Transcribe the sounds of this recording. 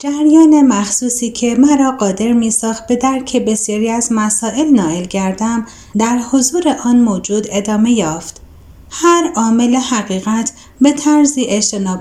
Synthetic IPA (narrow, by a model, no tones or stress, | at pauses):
d͡ʒæɾjɒːne̞mæxsuːsiːcʰe̞mæɾɒːɢɒːd̪e̞ɾmiːsɒːxt̪̚be̞d̪æɾcʰe̞be̞sjɒːɾiːæzmæsɒːʔe̞lnɒːelɟæɾd̪æm | d̪æɾho̞zuːɾeʔɒːnmoːd͡ʒuːd̪e̞d̪ɒːme̞jɒːft̪ | hæɾɒːme̞lehæɣiːɣæt̪ʰ | be̞t̪ʰæɾziːʔeʃt̪ʰe̞nɒːb